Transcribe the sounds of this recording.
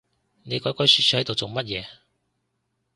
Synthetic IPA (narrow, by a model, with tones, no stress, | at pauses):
ne˨˧jkɔː˨˥jkɔː˨˥jsyː˧tsʰy˧˥hɐ˨˥jt̪o˨wt͡so˨˩wmɐ˥t̚jɛː˨˧